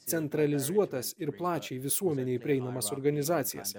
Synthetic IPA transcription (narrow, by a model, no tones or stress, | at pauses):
t̪sʲɛnt̪ɾɐlʲɪzuɔt̪ɐsɪɾplˠɑːt͡ʃʲɛɪʋʲɪsuɔmʲɛnʲɛɪpʲɾʲɪɛɪnɐmɐsɔɾɡɐnʲɪzɑːt̪sʲɪjɛ̰s